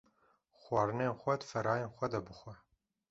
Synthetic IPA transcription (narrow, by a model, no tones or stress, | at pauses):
xwɑːɾɨneːnxʷɛd̪fɐɾɑːjenxʷɛd̪ɐbɨxʷɛ